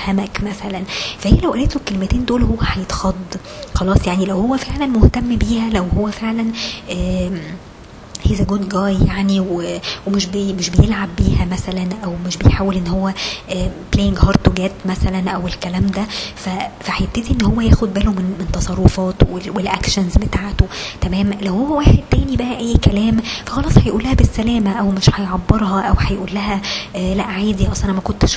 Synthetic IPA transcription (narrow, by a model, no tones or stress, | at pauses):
hæmækmæsælænfæheːlæwʔæleːt̪lokːelemæt̪eːnd̪oːlhowːæħæjet̪xɑd̪ˤː | xɑlɑːsˤjaʕnilæwhowːæfeʕlænmoht̪æmːbiːhælæwhowːæfeʕlænʔæ | heːzæɡoːd̪ɡɑːjjaʕniwewemeʃbmeʃbejelʕabːiːhæmæsælænʔæwmeʃbejħaːwelʔenːohowːæʔːplejeŋɡhɑːɾˤt̪oɡæt̪mæsælænʔæwelkælæːmd̪æfæfæhæjeb̚t̪æd̪iʔenːhowːæjæːxod̪̚bæːlomenment̪ɑsˤɑrˤːofɑːt̪wewelʔækʃænzbet̪aːʕt̪ot̪æmæːmlæwhowːæwaːħed̪̚t̪æːnibæʔæʔæːkælæːmfæxɑlɑːsˤhæjʔuːlːæhæbesːælæːmæʔæwmeʃhæjʕɑbːeɾˤhɑʔæwħæjʔuːlːæɦælæʔʕaːd̪iʔɑsˤælænmækont̪ʃ